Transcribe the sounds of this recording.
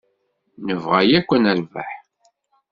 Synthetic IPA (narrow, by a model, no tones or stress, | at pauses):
nəvʁæjækʷːənælvæ̰ħ